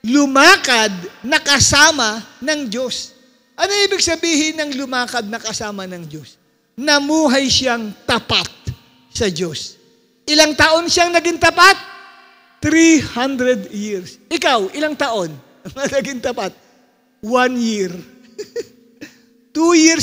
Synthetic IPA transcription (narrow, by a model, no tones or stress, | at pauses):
lʊmaːkɐd̪̚nɐkɐsaːmɐnɐŋd͡ʒo̞s | ʔɐnoʔiːbɪɡ̚sɐbiːhɪnɐŋlʊmaːkɐd̪̚nɐkɐsaːmɐnɐŋd͡ʒo̞s | nɐmuːɦajʃaŋt̪ɐpat̪̚ | sɐd͡ʒo̞s | ʔɪlaŋt̪ɐʔo̞nʃjaŋnɐɡɪŋt̪ɐpat̪̚ː | ɾihand̪ɾɛd̪jiɹsʔɪkawʔɪlaŋt̪ɐʔo̞n | ɐŋɐnɐɡɪŋt̪ɐpat̪̚ | wanjiɾ | t̪ujiɾ